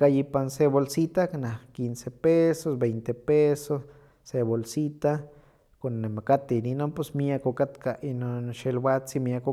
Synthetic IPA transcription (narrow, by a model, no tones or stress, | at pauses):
kajipansebolsit̪akanakinsepesosbejnt̪epesosː | eβolsit̪a | konːemakat̪eninoposmiakokat̪kainonʃelbasimiako